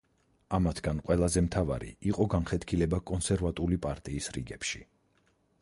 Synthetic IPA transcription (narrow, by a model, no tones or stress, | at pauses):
amat̪ʰɡ̥anqʼwɛlˠazɛmt̪ʰava̰ɾḭiqʼɔɡanχɛt̪ʰkʰilɛbakʼɔnsɛɾvat̪ʼulipʼaɾt̪ʼiːsɾḭɡɛpʃḭ